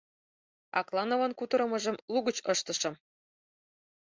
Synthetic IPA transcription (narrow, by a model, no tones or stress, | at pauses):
ɑ̰klˠɑnovɑnkut̪ɤ̆ɾɤ̆mɤ̆ʒɤ̆mluɣət͡ɕɤʃt̪ɤ̆ʃɤ̆m